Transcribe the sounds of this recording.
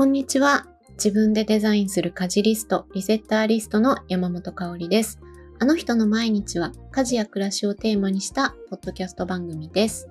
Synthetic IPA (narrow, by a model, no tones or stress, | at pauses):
kõ̞ɲ̟ːit͡ɕiβa | d͡ʑibɯ̟̃nd̪e̞d̪e̞zaĩɰ̃sɨɾɯ̟kaʑiɾʲisɨ̥t̪o̞ɾʲise̞t̪ːaːɾʲisɨ̥t̪o̞no̞jamamo̞t̪o̞kao̞ɾʲid̪e̞sɨ̥ | ano̞çi̥t̪o̞no̞maiɲ̟it͡ɕiβ̞akaʑijakɯ̟ɾaɕio̞t̪e̞ːmaɲ̟iɕi̥t̪apo̞d̪̥ːo̞kʲasɨ̥t̪o̞bãŋɡɯ̟mʲid̪̥e̞sɨ̥